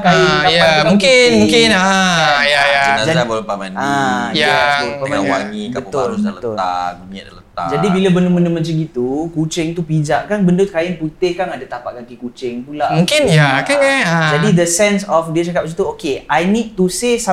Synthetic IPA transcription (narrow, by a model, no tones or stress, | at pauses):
kajɪajaamũŋkɪnmũŋkɪnəjajanad͡ʒazabolpamanajaaoamawa̰ŋibkabpuʊalsələt̪ʊla̰ŋia̰dalət̪a̰d͡ʒadibilabəndoməndəmat͡ʃaŋɡit̪ukut͡ʃɪŋt̪upid͡ʒaʔkanbəndot̪̚kajɪnput̪ɪhkanadat̪apaʔkakikut͡ʃɪŋtulamũŋkɪnjakakaəd͡ʒadid̪əsɛnsɔfdiat͡ʃakapsit̪uokeajnid̪̚t̪usesa